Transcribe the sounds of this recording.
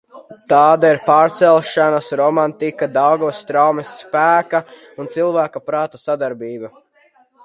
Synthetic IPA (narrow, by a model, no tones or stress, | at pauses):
t̪aːd̪aiɾpaːɾt̪sɛlˠʃanasɾɔmant̪ikad̪awɡuɔsːt̪ɾawmɛsːpæːka | unt̪silˠvæːkapɾɑːt̪usad̪aɾbiːba